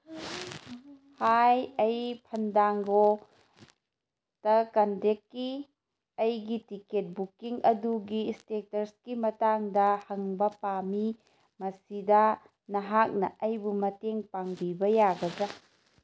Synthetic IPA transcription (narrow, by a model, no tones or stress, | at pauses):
hajɐjpʰɐndaŋɡo | tɐkɐndekːi | ɐjɡitiket̚bukiŋɐduɡistetɐɾskimɐtaŋdɐhɐŋbɐpami | mɐsidɐ | nɐɦak̚nɐʔɐjbumɐteŋpaŋbibɐjaɡɐd͡ʒɐ